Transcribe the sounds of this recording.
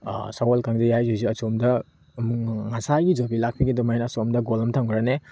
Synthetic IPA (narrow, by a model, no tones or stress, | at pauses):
sawolkʰaŋdɐjajzuziɐsomdɐ | muŋasaɡid͡ʒobilak̚piɡidumajnɐːsomdɐɡolɐmtʰaŋɡɾane